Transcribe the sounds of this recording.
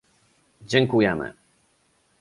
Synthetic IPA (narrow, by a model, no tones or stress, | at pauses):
d͡ʑɛŋkujɛmɘ̰